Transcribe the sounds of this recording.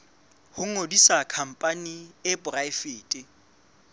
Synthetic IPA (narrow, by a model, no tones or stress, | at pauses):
hʊŋ̩ŋodisakʰam̩pʼaniɪbʊraɪfɪːtʼɪ